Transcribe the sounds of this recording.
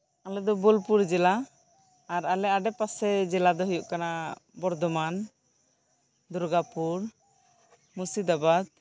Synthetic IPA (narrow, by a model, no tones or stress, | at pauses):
alɛd̪ɔbɔlpuɾd͡ʒɛlaː | ɾalɛaɖɛpasɛd͡ʒɛlad̪ɔɦɔjuʔkanabɔɾd̪ɔman | d̪uɾɡapuɾ | musid̪abad̪̚